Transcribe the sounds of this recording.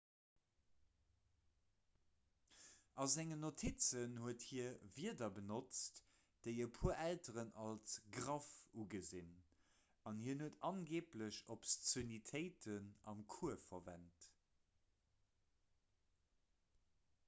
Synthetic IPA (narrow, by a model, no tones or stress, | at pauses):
ʔɑzæŋənotʰit͡sənhuəthiɐviədɐbənot͡st | d̥əɪəpʰuːɐʔæltəʁənɑlsɡʁɑfuɡəzin | ɑnhiːɐnuətɑnɡeːpləɕopst͡sonitʰəɪtʰənɑ̰mkʰuɐfɐvæ̰nt